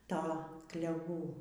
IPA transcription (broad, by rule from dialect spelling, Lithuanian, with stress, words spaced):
ˈtoː klʲɛˈʋuː